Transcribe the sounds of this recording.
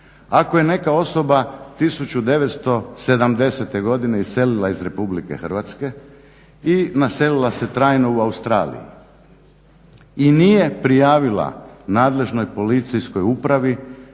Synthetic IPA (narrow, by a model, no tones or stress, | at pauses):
ako̞je̞ne̞kao̞so̞bat̪isut͡ɕud̪e̞ʋet̪st̪o̞se̞d̪amd̪e̞set̪e̞ɡo̞d̪ine̞ise̞lilaizɾe̞publike̞̰xr̩ʋat̪ske̞ | inase̞lilˠase̞t̪ɾaːjno̞uaust̪ɾa̰ːlḭjḭ | inije̞pɾijaːʋilˠa̰naːd̪le̞ʒno̞jpo̞lit̪sijsko̞jupɾaʋi